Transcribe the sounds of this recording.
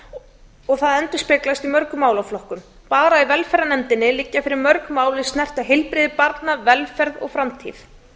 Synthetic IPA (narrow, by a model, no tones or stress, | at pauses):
ɔɣθaðɛnt̪ʏ̥spɪklast̪imœɾkʏmaːwlaflɔhkʏm | paːɾaivɛlfɛɾanɛmt̪ɪnːɪlɪcːafɪɾɪɾmœɾkmaːwlɪst̪nɛr̥t̪aɦɪlpɾɪːðɪpaɾt̪navɛlfɛɾðɔ̰ɣfɾamt̪ʰḭːθ